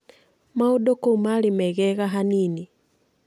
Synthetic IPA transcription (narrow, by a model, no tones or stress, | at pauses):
mauɗokomalimɛɣɛɣaɦanini